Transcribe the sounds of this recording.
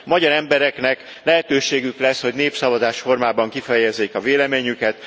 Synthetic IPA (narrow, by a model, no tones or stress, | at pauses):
mɒɟɒɾɛmbɛɾɛknɛk | lɛɦɛt̪øːʃeːɡyklɛsho̞ɟneːpsɒvɒzaːʃfo̞rmaːbɒŋkifɛjɛzːeːkɒveːlɛmeːɲykɛt̪